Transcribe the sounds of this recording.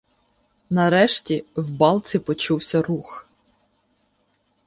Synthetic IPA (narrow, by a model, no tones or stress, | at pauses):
nɐɾɛʃtʲiwbɑlˠtt͡sʲipɔt͡ʃuwsʲɐrux